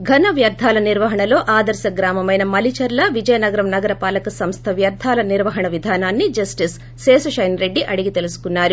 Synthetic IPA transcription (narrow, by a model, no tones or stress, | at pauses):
ɡʱɐnɐʋjɐɾd̪ʱaːlɐniɾʋɐɦɐɳɐlo̞ːʔaːd̪ɐɾsɐɡɾaːmɐmɐjnɐmɐlit͡ʃɐɾlɐʋid͡ʒɐjɐnɐɡɐɾɐmnɐɡɐɾɐpaːlɐkɐsɐmst̪ʰɐʋjɐɾd̪ʱaːlɐniɾʋɐɦɐɳɐʋid̪ʱaːnaːnːid͡ʒɐsʈisː | eːsɐʃɐjnɾe̞ɖːiʔɐɽiɡit̪e̞lusu̥kunːaːɾu